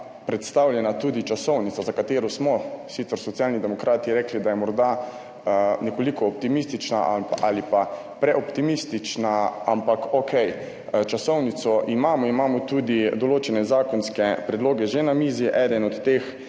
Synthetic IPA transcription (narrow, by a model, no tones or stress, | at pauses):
pɾɛt̪st̪awljɛnat̪uːd̪it͡ʃasɔwnit̪sazakat̪eːɾɔsmɔsit̪səɾsɔt̪sjaːlnid̪ɛmɔkɾʔaːt̪iɾɛːklid̪ajɛmɔɾd̪a | nɛkɔlikɔːp̚t̪imist̪it͡ʃna̰ʔʔalipa | pɾɛɔpt̪imist̪it͡ʃnaampakokɛj | t͡ʃasɔwnit̪sɔʔimaːmɔimaːmɔt̪uːd̪id̪ɔloːt͡ʃɛnɛzaːkɔnskɛpɾɛd̪loːɡɛʒenamiːziʔɛd̪ɛnɔt̪ːex